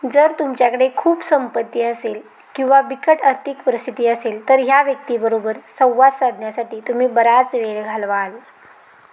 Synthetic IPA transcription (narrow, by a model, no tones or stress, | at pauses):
d͡zəɾt̪umt͡ɕjakəɽekʰuːpsəmpət̪ːiːəsel | kĩw̃ʋabikəʈəɾt̪ʰikpəɾist̪ʰit̪iːəselt̪əɾɦjaʋjək̚t̪iːbəɾobəɾsə̃w̃ʋad̪sad̪ʱnjasaʈiːt̪um̤iːbəɾat͡sʋeɭɡʱalʋal